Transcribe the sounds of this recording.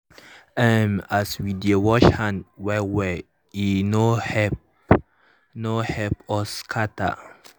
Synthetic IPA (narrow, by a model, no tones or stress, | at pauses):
ɛ̃maswidəwɔʃhãntwɛwɛ | inohɛp | nohɛpɔskʰata̰